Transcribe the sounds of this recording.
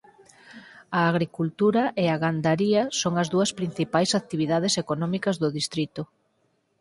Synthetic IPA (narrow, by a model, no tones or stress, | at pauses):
aːɣɾikult̪uɾɐʔeaɣand̪aɾiɐsoŋɐzðuɐspɾin̟θipajsat̪iβiðað̞esekonɔmikɐzðʊðist̪ɾit̪ʊ